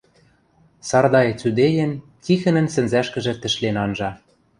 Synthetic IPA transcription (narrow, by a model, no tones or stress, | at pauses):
sɑrd̪ɑĕt͡syd̪ejĕnkixɘ̆nɘ̆nsɘ̆nzæʃkɘ̆ʒɘ̆t̪ɘ̆ʃlenɑnʒɑ